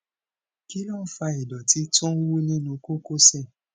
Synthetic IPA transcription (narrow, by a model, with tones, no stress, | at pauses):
ki˦lɔ̃˦n̩˦fa˧i˨dɔ˨ti˦tɔ̃˦wu˦nĩ˦nũ˧ko˦ko˦sɛ˦˨